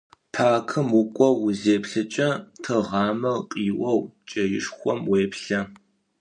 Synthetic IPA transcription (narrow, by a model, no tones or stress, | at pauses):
pʰaːkʰɨmʊkʷʼɔwʊzeːpɬɨt͡ʃʼɐtʰɨʁɑːmɐqʼiːʔʷɔwt͡ʃʼɐjɪʂxʷɔmweːpɬɐ